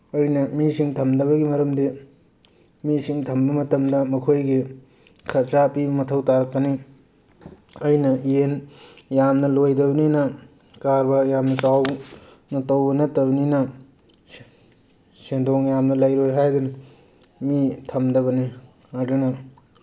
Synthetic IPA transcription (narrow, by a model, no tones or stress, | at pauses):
ɐjnɐmisiŋtʰɐmdɐβɐɡimɐɾɐmdi | misiŋtʰɐmbɐmɐtɐmdɐmɐkʰojɡi | kʰɐɾsapibɐmɐtʰɐwtaɾɐk̚ːɐni | ɐjnɐenjamnɐlojdɐbɐninɐ | kaɾbɐjamnɐsaw | nɐtɐwbɐnɐtːɐbɐninɐ | sendoŋjamnɐlɐjɾojɦajdunɐ | mitʰɐmdɐβɐni | aɾdunɐ